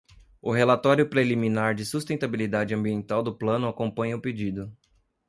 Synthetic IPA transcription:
ʊɦelat̪ɔɾjʊpɾelimĩnaɾd͡ʒɪsust̪ẽnt̪abilid̪ad͡ʒɪɐ̃mbiẽnt̪awd̪ʊplɐ̃nʊakõpõɲɐʊped͡ʒid̪ʊ

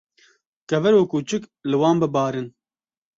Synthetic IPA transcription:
kɛvɛɾoːkuːt͡ʃɨklɨwɑːnbɨbɑːɾɨn

